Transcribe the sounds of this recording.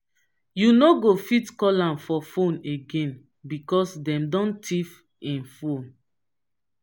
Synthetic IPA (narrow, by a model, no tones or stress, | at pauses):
junoɡofitkɔlãnfɔfõneɡẽn | bikɔsdɛ̃mdɔ̃ntʰif | ĩnfõn